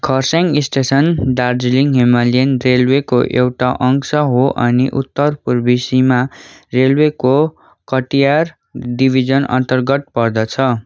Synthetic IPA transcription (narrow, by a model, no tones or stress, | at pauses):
kʰʌrsaŋɡisʈesʌnɖard͡zliŋɦimalijʌnrelwekoʔewʈaʔʌŋsʌɦoʔʌ̰niʔut̪ːʌrpurbisimarelweko | kʌʈijar | dibʱid͡zʌnʌ̰nt̪ʌrɡʌt̪̚pʌrd̪ʌt͡sʰʌ